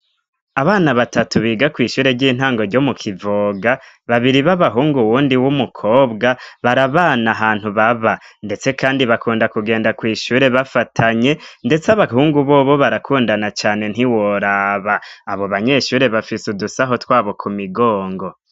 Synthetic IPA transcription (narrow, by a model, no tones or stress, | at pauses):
aβaːnaβatatuβiːɡakwiːʃuːɾe̞ɾɟiːn̥haːŋɡo̞ɾɟo̞mukʰivoɡa | βaβiɾiβaβaɦuːŋɡuwuːndiwumukʰo̞ːbɡaβaɾaβaːnaɦaːn̥huβaβande̞t͡se̞kaːndiβakʰuːndakuɡe̞ːndakwiːʃuːɾe̞βafatʰaɲe̞nde̞t͡saβaɦuːŋɡuβo̞ːβo̞βaɾakʰuːndanat͡ʃaːne̞n̥iwo̞ɾaβaːβo̞βaɲe̞ʃuːɾe̞βafisudusaɦo̞twaːβo̞kumiɡoːŋɡo̞